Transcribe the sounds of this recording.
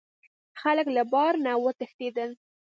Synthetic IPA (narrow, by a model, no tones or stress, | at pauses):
xaləklabɑɾnawət̪əxt̪ed̪əl